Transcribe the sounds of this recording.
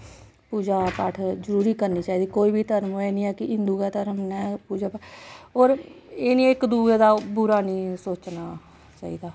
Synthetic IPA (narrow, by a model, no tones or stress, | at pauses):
puːd͡ʒaːpəʈʰzəɾuːɾiːkəɾniːt͡ʃaːiːd̪iːkoːiːbiːt̪əɾmɛːnĩːɛːkɪɦɪnd̪uːkaːt̪əɾmnɛːpuːd͡ʒaːpəoːɾeːnĩɪkd̪uːeːd̪aːbuɾaːnĩːsoːt͡ʃnaː | t͡ʃa̰ːḭːd̪aː